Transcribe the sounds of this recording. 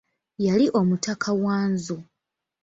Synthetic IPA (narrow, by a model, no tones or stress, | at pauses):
jaliʔo̞mutakʰawaːnzu